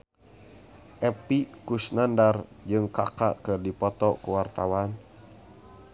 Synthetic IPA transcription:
ʔɛpikusnandard͡ʒɨŋka̰ka̰ʔkɨrdipɔt̪ɔkuwart̪awan

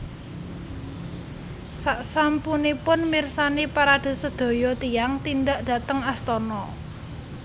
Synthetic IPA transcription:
saʔsampunipʊnmirsanepaɾad̪̥ə̤səd̪̥o̤jɔt̪ijaŋt̪inɖaʔd̥a̤t̪əŋast̪ɔnɔ

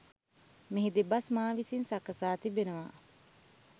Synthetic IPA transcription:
miɦid̪ebɐsmaːʋisinsɐkɐsaːt̪ibenəʋa̰ː

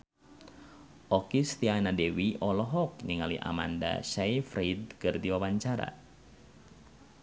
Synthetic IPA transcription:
ʔɔkist̪ianadewiʔɔlɔɦɔk̚niŋaliʔa̰ma̰nda̰ʃajfɾid̪̚kɨrdiwawaɲt͡ʃaɾa̰

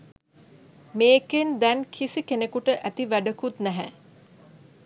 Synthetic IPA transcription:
meːkend̪ænkʰisikenekuʈəʔæt̪iʋæɖəkut̪næɦæ

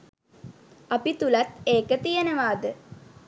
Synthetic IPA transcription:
apit̪ulat̪eːkət̪ijənəʋaːd̪ə

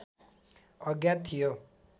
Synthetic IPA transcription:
ʌɡjat̪ʰːijo

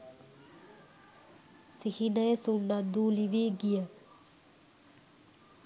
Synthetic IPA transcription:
sihinəjəsunːad̪uːliʋeːɡijə

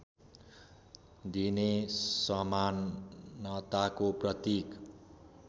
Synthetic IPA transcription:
d̪inesʌmanːʌt̪akoprʌt̪ik

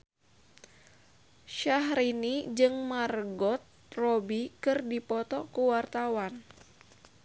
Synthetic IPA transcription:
ʃaɦɾinid͡ʒɨŋmarɡɔt̪̚ | rɔbikɨrdipɔt̪ɔkuwart̪awan

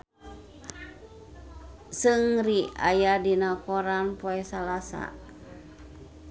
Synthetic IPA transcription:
sɨŋria̰jadinakɔɾanpɔɛsalasa̰

